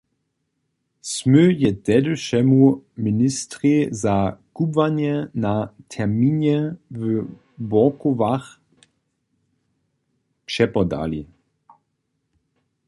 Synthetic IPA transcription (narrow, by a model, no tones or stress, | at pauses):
smøjɛt̪ɛduʃɛmuministʁizakubvaɲjɛnatʰɛʁmiːnɛvə | bɔkovax | pʂɛpɔda̰lḭ